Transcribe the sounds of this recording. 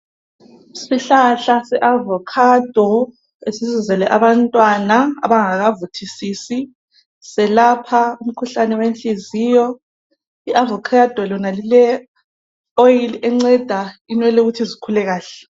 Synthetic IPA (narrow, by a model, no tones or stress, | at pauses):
siɬaɬasɛʔavɔkʰad̥ʱɔ | esizizɛlɛʔaβantʼwanaa̰βaŋaɣavutʰisisi | sɛlapʰaum̩kʰuɬanɛwent͡ɬʼiziːjɔ | iʔavɔkʰad̥ʱɔlɔnalilɛ | ojiliɛŋ͡ǀɛd̥ʱainwɛlɛuɣutʰizikʰulɛɣaːɬɛ